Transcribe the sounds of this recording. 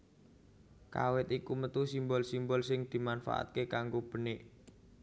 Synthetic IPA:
ka̰wɪt̪ikumət̪usimbɔlsimbɔlsɪŋd̪̥i̤manfa̰ʔa̰t̪̚kekaŋɡob̥ə̤nɪʔ

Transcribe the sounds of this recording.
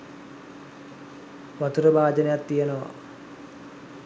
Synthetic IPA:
ʋat̪uɾəbaːd͡ʒənejat̪ːijenəʋa̰

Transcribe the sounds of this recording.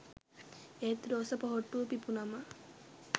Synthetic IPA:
et̪ɾoːsɐpɔɦoʈːupipunɐmɐ

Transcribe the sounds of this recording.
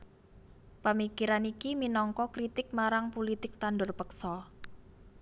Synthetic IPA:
pəmikiɾanikiminɔŋkɔkɾit̪ɪk̚maɾaŋpulit̪ɪk̚t̪anɖʊrpəksɔ

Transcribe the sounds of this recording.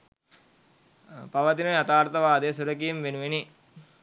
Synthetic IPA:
paʋət̪inəat̪aːɾt̪ɐʋaːd̪esuɾəkijemʋenuʋeni

